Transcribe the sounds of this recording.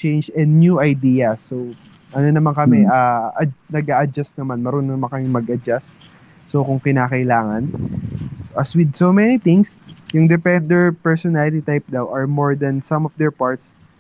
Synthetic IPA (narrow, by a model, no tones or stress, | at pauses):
t͡ʃejnd͡ʒɛ̃nd̪̚njuʔɐjd̪iːjɐso | ʔɐnonɐmaŋkɐmɛʔaʔɐnɐɡ̚ʔaːʔɐd͡ʒast̪̚nɐmanmɐɾononɐmaŋkɐmɪŋmɐɡʔɐd͡ʒast̪ː | okʊŋkɪnaːkɐʔɪlaːŋɐn | ʔɐswɪd̪̚somɛnit̪ɪ̃ŋsjʊŋd̪ɛpɛnd̪ɛɹpɛɹsɔnalɪt̪it̪ajp̚d̪awʔɐɹmoɹd̪ɐnsɐ̃mɔfd̪ɛɹpaɹt̪s